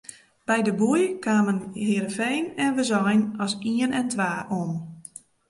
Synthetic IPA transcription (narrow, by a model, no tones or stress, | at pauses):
b̥ɛjdəbujkʰaːmənhiəɾəfejnɛnʋəzɔjnɔsiənɛntʋaːʔon